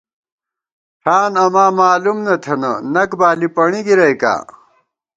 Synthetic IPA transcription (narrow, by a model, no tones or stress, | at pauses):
ʈʰaːnɐmaːmaːlumnɐt̪ʰɐnɐnɐkbaːlipɐɳiɡiɾɐjka̰ː